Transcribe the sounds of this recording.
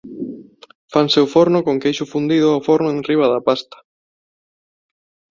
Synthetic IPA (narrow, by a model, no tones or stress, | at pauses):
fanseʊfoɾnʊkoŋkejʃʊfund̪iðʊawfoɾnʊeŋriβ̞ɐðɐpast̪ɐ̥